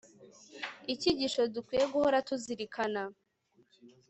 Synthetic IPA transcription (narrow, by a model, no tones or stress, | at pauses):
iciɟiʃo̞dukwiːje̞ɡuho̞ɾatuziɾikʰana